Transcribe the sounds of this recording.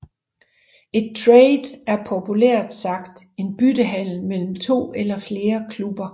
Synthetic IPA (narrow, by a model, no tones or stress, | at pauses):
e̝d̥̚t͡sʰʁɛeɪd̥æɐpʰo̝pʰuleɐ̰d̥sɑ̈ɡ̥d̥e̝nb̥ydəɦæn̰l̩mel̰m̩t͡sʰo̝̰ːelɐfle̝ːɐkʰlub̥ɐ